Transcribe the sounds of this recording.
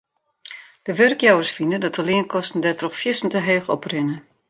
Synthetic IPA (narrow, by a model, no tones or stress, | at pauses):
d̥əʋørkjawəsfinədɔtəliənkʰɔstn̩dɛtrɔxfjɪsn̩təɦeːxɔ̰prɪnə